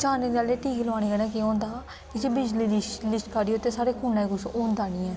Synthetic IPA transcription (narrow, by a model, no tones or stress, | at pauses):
t͡ʃaːneːnaːleːʈiːɡilʋaːɽ̃iːɡənɛːkɪõːnd̪aː | kɪseːbɪd͡ʒliːlslɪsʈkəɖiːoʊt̪ːeːsaːɾeːkʰuːnːɛ̃ːɡʊsoːnd̪aːniːɛː